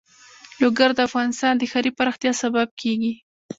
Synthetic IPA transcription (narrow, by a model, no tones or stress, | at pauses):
loɡaɾd̪əafɣɑnɪst̪ɑnd̪əxaɾipaɾɑxt̪jɑsabab̚kʰeɡi